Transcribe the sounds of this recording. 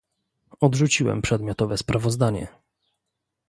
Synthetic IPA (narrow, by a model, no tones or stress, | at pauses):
ɔd̪ʐut͡ɕiwɛ̰mpʂɛd̪mʲjɔt̪ɔvɛspɾʔavɔzd̪aɲɛ̰